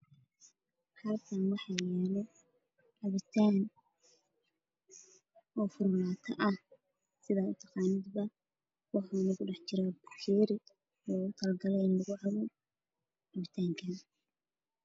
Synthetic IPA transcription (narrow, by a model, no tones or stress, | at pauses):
hɐlkʰɐnwɑħɑjɛːlɛ | ʔɐβɪt̪ʰaːn | ɔːfʊrlaːt̪ʰɐʔɐh | sɪðaːʊt̪ʰɑqɑːnɪd̪bɐ | wɑħɑnɐɣʊɖɑħt͡ʃɪɾɛbɑħʃiɾɪ | lɔːɣʊt̪ʰɐlɡɐlɛɪnlɐɣʊʕɐβɔ | ʔɑβɪt̪ʰaːŋkʰɐ